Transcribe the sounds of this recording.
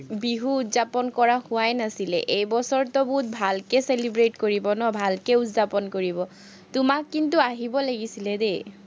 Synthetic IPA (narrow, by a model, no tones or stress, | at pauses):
biɦuutzapɔnkɔɹahʊajnasilɛ̰ʔejbɔsɔɹtɔbut̚bʱalkɛselibɹetkoɹibɔnɔbʱalkɛutzapɔnkoɹibɔ | tʊmakːintuaɦibɔlaɡisilɛde